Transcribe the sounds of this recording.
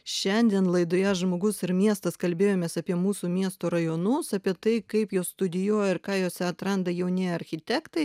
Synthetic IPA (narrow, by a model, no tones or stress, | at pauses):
ʃʲɛnʲd̪ʲiɛnlˠɐɪd̪oːjɛʒmoːɡʊsɪɾmʲiɛst̪ɐskɐlʲbʲeːjoːmʲeːsɐpʲiɛmuːsuːmʲiɛst̪oːɾɐjoːnʊsɐpʲiɛt̪ɐɪkɐɪpjoːsst̪ʊd̪ʲɪjuɔjɛɪɾkɑːjoːsʲɛɐt̪ɾɐnd̪ɐjɛʊnʲɪɐɾʲxʲɪt̪ʲɛkt̪ɐɪ